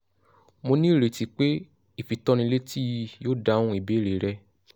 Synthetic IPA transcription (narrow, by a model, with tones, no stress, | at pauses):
mo˧nĩ˦˨ɾe˨ti˧k͡pe˦ | i˦˨fi˨tɔ˧ñĩ˧˦le˦ti˦ji˧joː˦da˦wũ˦i˨be˨˦˨ɾe˨ɾɛ˧